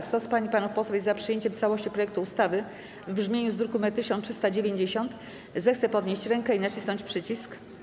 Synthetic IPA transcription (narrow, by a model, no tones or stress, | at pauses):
kt̪ɔspaɲipanufpɔswajzapʂɨjeɲt͡ɕɛmft̪sawɔɕt͡ɕipɾɔjɛk̚t̪uːst̪avɘ | vbʐmʲjeɲuzd̪ɾukumɛt̪ːɘɕɔntʂɘ̥st̪ad͡ʑevʲjeɲd͡ʑeɕɔnt̪ | zɛxt̪sɛpɔd̪ɲeɕt͡ɕɾɛŋkɛinat͡ɕisnɔ̃ɲt͡ɕpʂɘt͡ɕisk